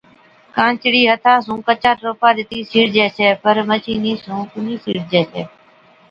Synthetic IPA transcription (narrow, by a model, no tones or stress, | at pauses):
kãːnt͡ʃɽiːɦət̪ʰaːsũːkət͡ʃaːtɾoːpaːɗ̪ɪt̪iːsiːɽd͡ʒeːseːpəɾmət͡ʃiːniːsũːkʊniːsḭːɽd͡ʒɛːsʰḛː